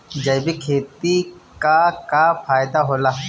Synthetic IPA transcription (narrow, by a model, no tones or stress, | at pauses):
d͡ʒɐbikʰeːt̪ikakafʰaːjd̪aɦoːlaː